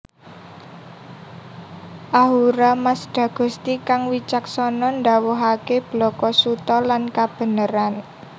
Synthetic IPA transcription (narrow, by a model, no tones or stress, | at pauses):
ʔaɦuɾamasd̪̥ä̤ɡ̥ɔ̤st̪ikaŋwit͡ʃak̚sɔnɔnd̪a̤wɔɦakeb̥lɔkɔsut̪ɔlankab̥ə̤nəɾan